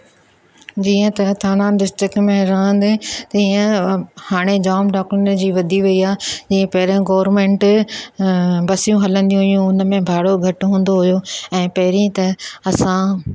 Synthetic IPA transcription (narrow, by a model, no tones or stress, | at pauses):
d͡ʑiːə̃t̪ɐt̪ʰaːnãɖɪsʈɪkmẽɾɐɦə̃nd̪ɪt̪iːə̃haːɽ̃ed͡ʑaːmɖaːkɾɪnd͡ʑiːʋɐd̪ʱiʋɐiaːd͡ʑiːə̃pɐɦɪɾãɡɔːʋɾmẽːɳʈ | bɐsijũɦɐlə̃nd̪ijũɦʊjũʊnəmẽbʱaːɽoɡʱɐʈɦũːn̆d̪oɦʊjoɛ̃ːpɐɦɪɾĩt̪ɐɐsã